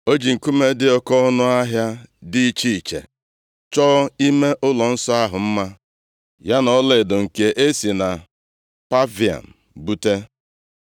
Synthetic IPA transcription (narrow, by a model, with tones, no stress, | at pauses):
o˦d͡ʒi˨ŋ̩˨ku˦me˦dɪ˦ɔ˦kɔ˦nʊ˦a˦ɦja˦di˦t͡ʃi˦i˨t͡ʃḛ˨ | t͡ʃɔː˦i˦me˦ʔʊ˦lɔ˨n̩˦sɔ˦a˦ɦʊ˨m̩˦ma˦ | ja˦nɔ˨˦le˨dʊ˨ŋ̩˨ke˨ʔe˦si˨na˨ | pa˦vi˨a̰˨n̩˨ | bu˦te˦